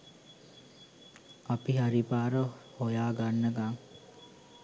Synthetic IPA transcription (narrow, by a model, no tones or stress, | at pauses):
apiɦaɾipaːɾəhojaːɡanːəkaŋ